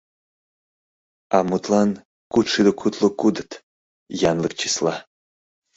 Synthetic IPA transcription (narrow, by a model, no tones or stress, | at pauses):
amut̪lˠan | kut̪ʂɨd̪əkʰut̪ʰlˠokud̪ɨt̪ | janlˠək̚t͡ʃʰislˠa